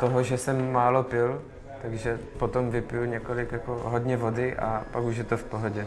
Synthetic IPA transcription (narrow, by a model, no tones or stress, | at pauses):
t̪oɦoʒɛsɛmːaːlopɪl | t̪aɡʒɛpot̪omvɪpɪjuɲɛkolɪkjakoɦodɲɛvo̞dɪʔa̰pakuʃ̬jɛt̪ofpoɦoɟɛ